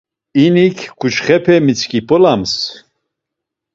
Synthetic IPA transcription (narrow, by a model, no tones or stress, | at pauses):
inikʰkut͡ʃχɛpʰɛmit͡sʰkʼipʰʼɔlams